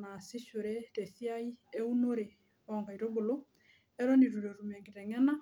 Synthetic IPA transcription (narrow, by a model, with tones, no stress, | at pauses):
na˨si˦ʃo˨ɾɛtɛ˨θi˦a˦i˦e˦uno˦ɾe˨ | ɔŋɡa˨iɾo˦ɡo˨lo˦ | ɛ˦ɾɔniɾuɾo˨ɾumɛ˨ŋɡi˨ɾɛ˨ŋɛna˦